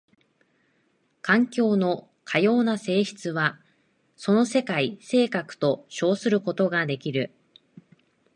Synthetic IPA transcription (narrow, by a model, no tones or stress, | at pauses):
kãŋkʲo̞ːno̞ | kʰajo̞ːnase̞ːçi̥t͡sɨβa | so̞no̞se̞kaise̞ːkakɯ̟̥t̪o̞ɕo̞ːsɨɾɯ̟ko̞t̪o̞ɡad̪e̞kʲiɾɯ̟